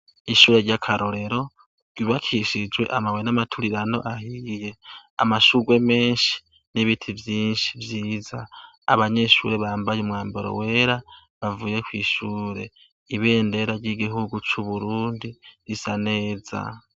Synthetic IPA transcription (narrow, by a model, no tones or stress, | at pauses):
iʃuːɾe̞ɾɟakʰaɾo̞ɾe̞ɾo̞ | ɡ̥iβakʰiʃid͡ʒɡwe̞̰ʔamawenamatʰuɾiɾano̞̰ʔahije̞a̰maʃuɡwe̞me̞ːnʃi̥ | niβitʰivjiːnʃi̥vjiːza | a̰βaɲe̞ʃṵɾe̞βaːmbajumŋaːmbeɾo̰we̞ɾa | βavuːje̞kwiːʃuːɾe̞ | iβe̞ːnde̞ɾaɾɟiɡiɦuɡut͡ʃuβuɾuːndiɾisaneːza̰